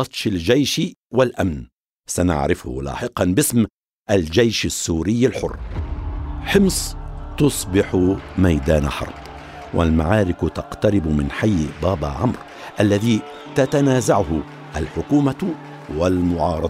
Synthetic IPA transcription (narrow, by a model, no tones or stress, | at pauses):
ɑt̪ˤʃald͡ʒajʃwalʔamn | sana̰ʕɾɪfʊ̰hʊ̰lɑ̰ːħɪqɑnbɪsm | ʔald͡ʒajʃasːuːɾɪjːalħʊ̰rː | ħɪmsˤt̪ʊsˤbɪħʊmajd̪aːna̰ħɑ̰ɾˤb | wʔa̰lmaʕɑːɾɪkt̪ɑqt̪aɾɪbmɪnħajːbaːbaʕamɾ | ʔalːaðiː | t̪at̪anaːzaʕʊhʊ | ʔalħʊkuːma | walmʊʕɑːɾˤɑd̪ˤ